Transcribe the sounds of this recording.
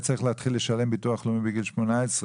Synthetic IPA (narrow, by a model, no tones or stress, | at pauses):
t͡saʁiχleat̪χilːe̞ʃale̞mbituaχlomibiɡilʃmonaesʁ